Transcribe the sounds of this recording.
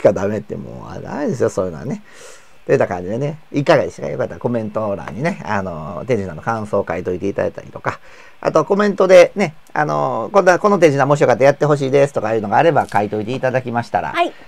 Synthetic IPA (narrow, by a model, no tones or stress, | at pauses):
i̥kad̪ame̞t̪ːḛmo̰a̰a̰id̪e̞sɨjo̞so̞ːjɯ̟noɡane̞ | t̪ojit̪ːakãɲd͡ʑid̪e̞ne̞ikːaɡaiɕka̰jo̞kat̪ːaako̞mẽ̞nt̪o̞ɾã̰ɲ̟ːine̞anot̪e̞ɲd͡ʑinad̪okãɰ̃so̞ːkait̪o̞it̪e̞it̪ad̪a̰e̥t̪a̰ɾʲit̪oka | a̰t̪o̞ko̞mẽ̞nt̪o̞d̪e̞ne̞ | a̰no̞̰konːako̞no̞t̪̬e̞ɲʑinamo̞ɕ̬ijokat̪ːajat̪ːe̞ɦo̞ɕ̬iːd̪esɨ̥t̪o̞kajɯ̟ːno̞ɡaːɾe̞bakait̪o̞it̪e̞it̪ad̪akʲimaɕi̥t̪aɾa̰ai